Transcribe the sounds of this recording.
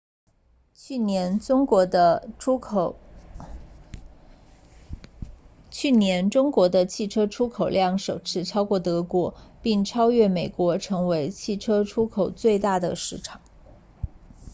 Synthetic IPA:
ɛ˧˥n˥ŋ˧˥ə˧ | t͡ɕʰy˥˩njɛ˧˥nʈ͡ʂʊ˥ŋkwɔ˧˥d̪ə˧t͡ɕʰi˥˩ʈ͡ʂʰɤ˥ʈ͡ʂʰu˥kʰo˨˩ʊljɑ˥˩ŋʂo˨˩ʊʈ͡ʂʰɻ̩˥˧ʈ͡ʂʰɑ˥ʊkwɔ˥˩t̪ɤ˧˥kwɔ˧˥pi˥˩ŋʈ͡ʂʰɑ˥ʊɥɛ˥˩me˨˩ɪkwɔ˧˥ʈ͡ʂʰɤ˧˥ŋwe˧˥ɪt͡ɕʰi˥˩ʈ͡ʂʰɤ˥ʈ͡ʂʰu˥kʰo˨˩ʊt͡swe˥˧ɪt̪a˥˩d̪ə˩ʂɻ̩˥˩ʈ͡ʂʰɑ˨˩˦ŋ

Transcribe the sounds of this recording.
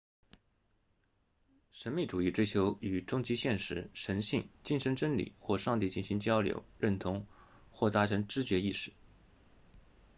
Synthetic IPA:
ʂə˧˥nmi˥˩ʈ͡ʂu˨˩i˥˩ʈ͡ʂwe˥ɪt͡ɕʰjo˧˥ʊy˨˩ʈ͡ʂʊ˥ŋt͡ɕi˧˥ɕjɛ˥˩nʂɻ̩˧˥ʂə˧˥nɕḭ˥˧ŋt͡ɕi˥˩nʂə˧˥ŋʈ͡ʂə˥ŋlḭ˨˩˦xwɔ˥˧ʂɑ˥˧ŋt̪i˥˧t͡ɕi˥˩nɕi˧˥ŋt͡ɕjɑ˥ʊljo̰˧˥ʊɻə˥˩nt̪ʰʊ˧˥ŋ | xwɔ˥˩t̪a˥ʈ͡ʂʰə˧˥nʈ͡ʂɻ̩˥t͡ɕɥɛ˧˥i˥˩ʂɻ̩˥˩˦

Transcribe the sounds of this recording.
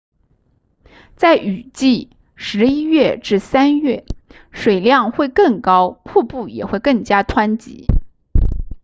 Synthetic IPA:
t͡sa˥˩ɪʔy˨˩t͡ɕi˥˩ | ʂɻ̩˧˥i˥ɥɛ˥˧ʈ͡ʂɻ̩˥˩sa˥nɥɛ˥˩ | ʂwe˨˩ɪljɑ˥˧ŋxwe˥˧ɪkɤ˥˩ŋkɑ˥ʊpʰu˥˧pu˥˩jɛ̰˨˩xwe˥˧ɪkɤ˥˩ŋt͡ɕja˥t̪ʰwa˥nt͡ɕḭ˧˥

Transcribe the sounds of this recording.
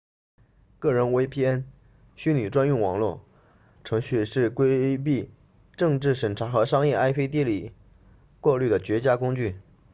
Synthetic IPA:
kɤ˥˩ɻə˧˥nwe˥ɪpʰi˥ɛ˥n | ɕy˥ny˨˩ʈ͡ʂwa˥nu˥˩ŋwɑ˨˩ŋlwɔ˥˩ | ʈ͡ʂʰɤ˧˥ŋɕy˥˧ʂɻ̩˥˩kwe˥ɪp̬i˥˧ | ʈ͡ʂɤ˥˧ŋʈ͡ʂɻ̩˥˩ʂə˨˩nʈ͡ʂʰa˧˥xɤ˧˥ʂɑ˥ŋjɛ˥˩a˥ɪpʰe˥ɪt̪i˥˩li˨˩ | kwɔ˥˧ly˥˩d̪ə˩t͡ɕɥɛ˧˥t͡ɕja˥kʊ˥ŋt͡ɕy˥˩

